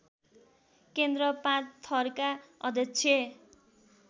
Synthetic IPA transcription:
kend̪ɾʌpãt͡st̪ʰʌrkaʌd̪ʱjʌkt͡sʰje

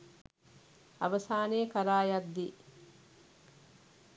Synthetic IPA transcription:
ɐ̰ʋɐsaːneːkɐɾaːjad̪ːi

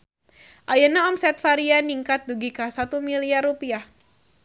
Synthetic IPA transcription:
ʔajənaɔmsɛt̪̚faɾianiŋkat̪̚duɡikasat̪umiliarupiah

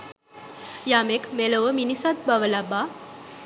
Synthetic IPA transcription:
jamekmeləʋəminisat̪̚baʋəlaba

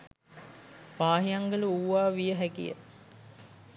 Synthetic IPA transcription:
paːɦijaŋɡəluuːʋaːʋijəɦækḭjə̰

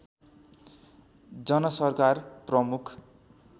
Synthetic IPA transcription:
d͡zʌnʌsʌrkarprʌmukʰ

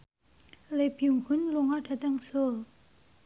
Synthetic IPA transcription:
lepjuŋhunluŋadʰat̪aŋsol

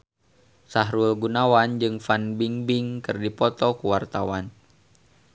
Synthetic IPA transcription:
saɦɾulɡunawand͡ʒɨŋfanbiŋbɪŋkɨrdipɔt̪ɔkuwart̪awan

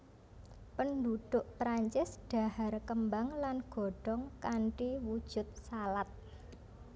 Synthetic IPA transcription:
pənɖuɖ̪̥ʊʔpɾaɲt͡ʃɪsɖ̥a̤harkəmbaŋlanɡ̥ɔ̤ɖ̥ɔŋkaɳʈiwud̥ʒ̥ʊ̤t̪̚salat̪̚

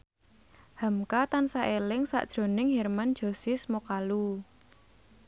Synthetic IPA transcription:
ha̤mkat̪ansaʔelɪŋsa̰ʔd̥ʒ̥ɾo̤nɪŋɦɛrmand̥ʒ̥o̤sɪsmokalu

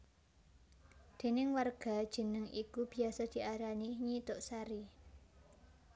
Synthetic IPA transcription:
d̪̥e̤nɪŋwarɡ̥a̤d̥ʒ̥ə̤nəŋʔikub̥i̤asɔd̪̥i̤ʔaɾaniɲit̪ʊʔsaɾi

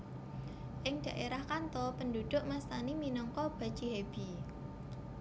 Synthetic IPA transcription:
ʔɪŋɖ̥ä̤ʔeɾahkant̪ɔpəndud̪̥ʊ̤ʔmast̪animinɔŋkɔb̥a̤̥t͡ʃiɦeb̥i

